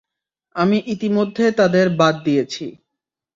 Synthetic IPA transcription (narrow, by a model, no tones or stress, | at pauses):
amiʔit̪imod̪ʱːet̪ad̪eɾbad̪̚ːijet͡ɕʰi